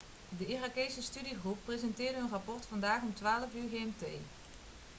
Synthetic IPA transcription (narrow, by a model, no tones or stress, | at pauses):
dəirakejsəstydiχrupːrezɛntɪːɹdəɦɵnrɑpɔrtfɑndaːχɔmtʋaːləvyːɹɣeɛmtej